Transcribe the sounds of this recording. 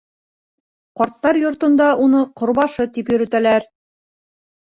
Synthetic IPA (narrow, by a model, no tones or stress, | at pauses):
qɒɾt̪ːɑɾjŏɾt̪ɤ̆nd̪ɑunɤqŏɾbɑʃɤt̪ipjɵ̆ɾɘ̆t̪ælæɾ